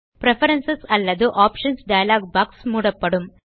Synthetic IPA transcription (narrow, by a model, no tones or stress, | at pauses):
pɾɛfɐɾɐnsɐsɐlːɐðɯʔaːpʂɐnsɖɐjɐlaːɡ̚bɐːksmuːɽɐpːɐɽɯm